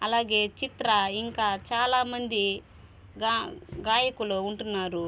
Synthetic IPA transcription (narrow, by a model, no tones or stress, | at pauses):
ɐlaːɡe̞ːt͡ʃit̪ɾɐiŋkaːt͡ʃaːlaːmɐnd̪i | ɡaɡaːjɐkuluuɳʈunːaːɾu